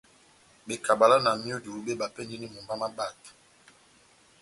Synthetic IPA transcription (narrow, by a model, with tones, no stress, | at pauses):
be˨ka˨ba˨la˦na˨mi˦o˦du˨u˦be˦ba˨pɛ˦ndi˦ni˦mo˨mba˦ma˦ba˦˨t